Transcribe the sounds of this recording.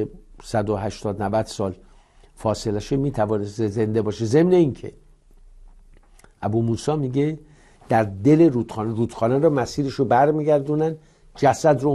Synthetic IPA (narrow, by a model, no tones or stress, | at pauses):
esæd̪oɦæʃt̪ɒːd̪nævæd̪̥sɒːl | fɒːse̞læʃemiːt̪ʰævɒːneseze̞nd̪ebɒːʃeze̞mne̞incʰḛ | ʔæbuːmuːsɒːmiɡe̞ | d̪̥æɾd̪e̞le̞ɾuːt̪xɒːnɾuːd̪̥xɒːnæɾɒːmæsiːɾeʃobæɾmiːɟæɾd̪unæn | d͡ʒæsæd̪ɾo